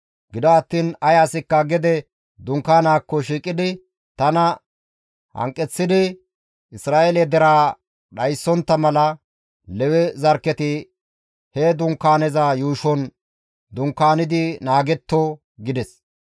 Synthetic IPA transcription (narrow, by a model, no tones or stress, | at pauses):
ɡɪd̪ɔɐt̪ːiːnɐjasɪkːɐɡɛd̪ɛ | d̪ʊŋkːaːnaːkːɔʃiːkʼɪd̪ɪ | t̪ɐnɐ | hɐ̰ŋkʼːɛt͡sːɪd̪ɪ | ʔɪsɾaːʔelɛd̪ɛɾaː | ɗɐjsːɔnt̪ːɐmɐlɐ | lɛwɛzɐɾkːɛt̪ɪ | hɛd̪ʊŋkːaːnɛzajuːʃɔn | d̪ʊŋkːaːnɪd̪ɪnaːɡɛt̪ːo | ɡɪd̪ɛs